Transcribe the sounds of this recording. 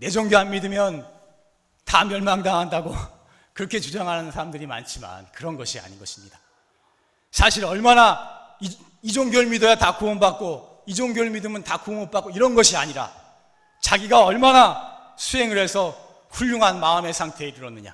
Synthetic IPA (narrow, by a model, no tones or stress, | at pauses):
ne̞d͡ʑʌŋɡjoɦanmidɯmjʌn | tamjʌɭmaŋdaŋɦandaɡo | kɯɾʌkʰe̞t͡ɕud͡ʑaŋɦananɯnsʰaɾamdɯɾima̰nt͡ɕʰima̰nkɯɾʌnɡʌɕʰia̰ɲinɡʌɕʰi̥mɲida | sʰaɕʰiɾʌɭmana | id͡ʑoŋɡjoɭmidojatakuʌnbak̚k͈o | id͡ʑoŋɡjoɭmidɯmɯntakuoŋop͈ak͈oiɾʌnɡʌɕʰia̰ɲiɾa̰ | t͡ɕaɡiɡaʌɭmana | sʰue̞ŋɯɾe̞sʰʌ | ɸuʎːuŋɦanmaɯme̞sʰaŋtʰe̞ːɾɯɾʌnːɯɲa̰